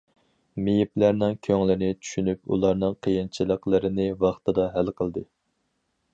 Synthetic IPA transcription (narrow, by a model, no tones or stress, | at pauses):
mijiplæɾnɪŋkʲʰøŋlɪnɪt͡ʃʰy̥ʃynypṵlˠɑɾnɨŋqʰəjint͡ʃʰilˠəqlˠəɾɨnɪvɑχt̪ʰɨd̪ɑɦælqʰəlˠd̪ɨ